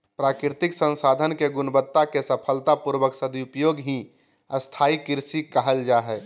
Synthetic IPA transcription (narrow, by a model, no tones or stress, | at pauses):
pɾaːkɾɾɪt̪ɪksə̃nsaːd̪ʱənkeɡʊnbət̪ːakesəpʰəlt̪apuɾwəksəd̪iʊpjoːɡɦĩ | əst̪ʰaːikɪɾsikəɦəld͡ʒaɦɛː